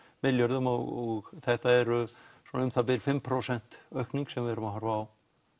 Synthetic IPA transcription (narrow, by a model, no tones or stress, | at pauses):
mɪljœɾðʏmɔɣɔɣθɛht̪aɛɾʏsɔnʏmθap̬ɪlfɪmpʰɾowsɛn̥t̪œɥhkniŋksɛmvɪɛɛɾʏmaɦaɾvaːw